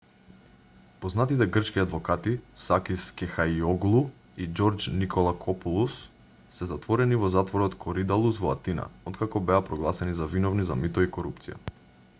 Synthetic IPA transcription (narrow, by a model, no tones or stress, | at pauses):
pɔznat̪it̪ɛɡr̩t͡ʃkiad̪vɔkat̪isakiskɛxaiɔɡlˠu | id͡ʒɔɾd͡ʒnikʰɔlˠakʰɔpulˠusː | ɛzat̪vɔɾɛnivɔzat̪vɔɾɔt̪kʰɔɾid̪alˠusvɔa̰t̪ina̰ɔt̪kakɔbɛapɾɔɡlˠasɛnizavinɔvniza̰mit̪ɔikɔɾupt̪sija̰